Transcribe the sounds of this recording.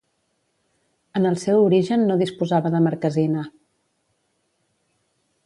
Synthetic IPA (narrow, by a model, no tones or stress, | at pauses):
ənəlˠsɛwuɾiʒənːoðispuzaβəðəməɾkəzina